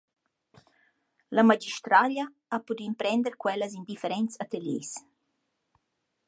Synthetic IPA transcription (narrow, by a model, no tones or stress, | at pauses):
lamad͡ʒiʃt̪ɾalja | apud̪impɾɛnd̪əɾkwɛlazind̪ifeɾɛnt̪sat̪eljḛs